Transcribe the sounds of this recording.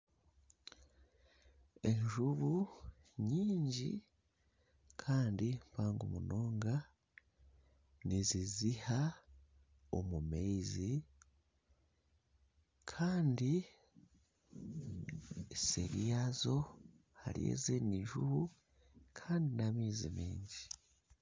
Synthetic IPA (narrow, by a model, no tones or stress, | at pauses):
e̞ɲʒuβu | ɲiːɲɟḭ | kʰaːndimpaːŋɡomuno̞ːŋɡa | niziziha | o̰mumezi | kʰaːndi | eseɾijazo̞ | ha̰lḭjḛzeniɲʒṵβu | kʰaːndinamiːzḭmḭːɲɟi